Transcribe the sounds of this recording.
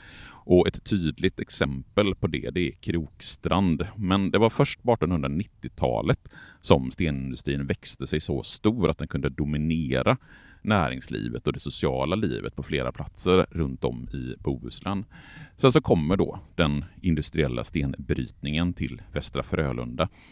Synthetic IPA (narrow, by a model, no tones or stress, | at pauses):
ʔɔɛt̪ʰːyːd̪lɪɡ̚t̪ɛksɛmpəlpʰɔd̪ɛ̰d̪ɛɛkʰɾuːkst̪ɾand̪mɛnd̪ɛvaɾfœʂʈ̚pɑːʈːɔnhɵnd̪ɾanɪt̪ːɪt̪ʰɑ̰ːlət̪sɔmst̪eːnɪnd̪ɵst̪ɾiːnvɛkst̪əsɛjsɔ̰st̪uːɾʔa̰t̪̚d̪ɛnkʰɵnd̪əd̪ʊmɪneːɾanæːɾɪ̰ŋslḭːvət̪ɔd̪ɛsʊsɪɑːlaliːvə̰t̪̚pʰɔfleːɾa̰pʰlat̪səɾːɵnt̪ɔ̰mːɪbuːʉ̰ːsland̪sɛnsɔkʰɔmːəɖɔ̰d̪̥ɛnɪnd̪ɵst̪ɾɪɛlːa̰st̪eːnbɾy̰ːt̪nɪŋənt̪ʰɪlvɛst̪ɾafɾøːlʔɵ̰nd̪a